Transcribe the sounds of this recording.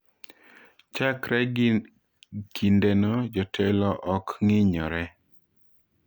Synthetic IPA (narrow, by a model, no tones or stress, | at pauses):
t͡ʃakɾɛ | kindenod͡ʒɔtʰɛlɔʔɔkŋɪɲɔɾɛ